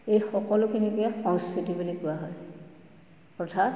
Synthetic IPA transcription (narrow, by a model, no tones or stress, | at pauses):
ejxɔkɔlʊkʰinikiaxɔnstitibulikʊaɦɔj | ɔɹtʰat